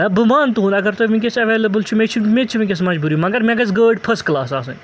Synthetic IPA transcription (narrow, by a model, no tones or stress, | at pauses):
ɐbumaːnt̪uɦũnɐɡɐɾt̪omĩk̬ʲesɐʋeːlɐbɨlt͡ʃʰumet͡ʃʰumet͡ʃʰumĩk̬ʲes̬mɐd͡ʒbuːɾiumɐɡɐɾmʲeɡɐzɡəːɖpʰɐsklaːsaːsɨn